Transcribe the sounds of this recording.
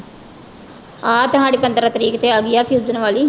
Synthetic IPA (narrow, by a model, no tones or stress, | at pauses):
aːt̪ʊɦãːɽiːpənd̪ɾaːkəɾiːkt̪eːaːɡɪjaːpʰjuːzənʋaːliː